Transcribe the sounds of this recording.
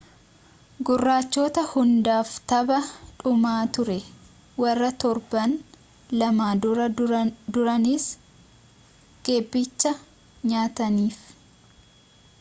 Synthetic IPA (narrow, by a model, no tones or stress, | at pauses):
ɡʊrːaːt͡ʃːoːt̪ɐhʊnd̪aːft̪ɐbɐᶑʊmaːt̪ʊɾɛ | wɐrːɐt̪ɔɾbɐn | lɐmaːʊɾɐd̪ʊɾɐnɪs | ɡ̥e̞ːbːɪt͡ʃːɐ | ɲaːt̪ɐniːf